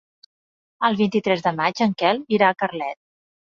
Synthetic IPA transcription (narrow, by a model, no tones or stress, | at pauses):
əlˠβint̪it̪ɾɛzðəmad͡ʒəŋkɛlˠβiɾaːkərlɛt̪̚